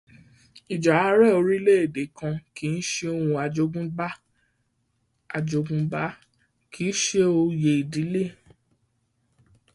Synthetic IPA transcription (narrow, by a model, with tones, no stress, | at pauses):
i˨d͡ʒa˨a˦ɾɛ˦˨o˧ɾi˦le˦e˨de˨˦kã˧ki˨˦n̩˦ʃe˧o˧hũ˧a˧d͡ʒo˧ɡũ˦ba˦ | a˨d͡ʒo˧ɡũ˧ba˦ | ki˦ʃe˦o˧je˧˨i˨di˨˦le˦˨